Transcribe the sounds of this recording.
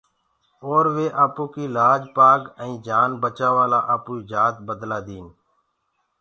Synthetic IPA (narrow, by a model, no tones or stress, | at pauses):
oːɾʋeːʔaːpoːkiːlaːd͡ʒpaːɡə̃ĩːd͡ʒaːnbət͡ʃaːʋaːlaːʔəpuːid͡ʒaːt̪bəd̪laːd̪iːn